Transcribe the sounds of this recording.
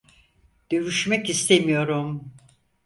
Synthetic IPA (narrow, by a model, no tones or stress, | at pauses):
d̪̥øvyʃmɛkist̪ʰemijo̞ɾum